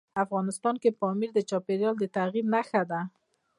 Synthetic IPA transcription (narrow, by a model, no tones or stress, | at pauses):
afɣɑnɪst̪ɑnkepɑmiɾd̪ət͡ʃɑpeɾjɑld̪ət̪aɣibnaxad̪a